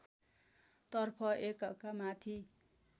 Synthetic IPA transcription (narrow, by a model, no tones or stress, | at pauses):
t̪ʌrpʰʌʔekʌkamat̪ʰi